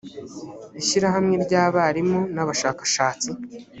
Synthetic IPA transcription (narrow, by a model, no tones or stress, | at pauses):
iʃiɾaɦamŋe̞ɾɟaːβaɾimonaβaʃaːkaʃaːt͡si